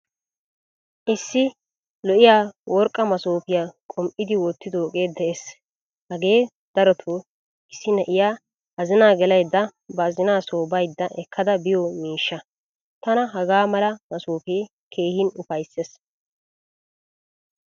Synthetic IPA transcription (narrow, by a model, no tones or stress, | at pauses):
ʔɪsːɪ | lɔʔɪjaːwʔɔɾkʼːɐmɐsoːpɪjaːkʼɔmʔɪd̪ɪwɔt̪ːɪd̪oːkʼe̞ːd̪ːɛʔes | hɐɡe̞ː | d̪̥ɐɾɔt̪ʰo | ɪsːɪnɛʔɪjaː | ɐzɪnaːɡɛlɐjd̪ːɐbɐːzɪnaːsoːbɐjd̪ːɐʔɛkʰːɐd̪ɐbɪjɔmiːʃːɐ | t̪ɐnɐɦɐɡaːmɐlɐmɐsoːpeː | kʰe̞ːhɪnʊfɐjsːes